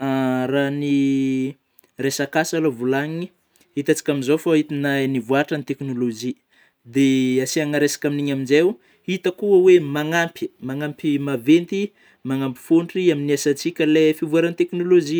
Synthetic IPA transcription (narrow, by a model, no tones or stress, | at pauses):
arani | resakasalovulaɲii | hit̪at͡si̥kʲaminzofait̪inajnivuaʈ͡ʂənit̪eknolod͡ʒi | d̪easiaŋaɾesḁkʲaminiɲaminzew | hit̪əkuəwemaŋampi̥maŋampimavent̪i | maŋampi̥fuɳʈ͡ʂiaminiasat͡sikʲəlefivuaɾanit̪eknolozi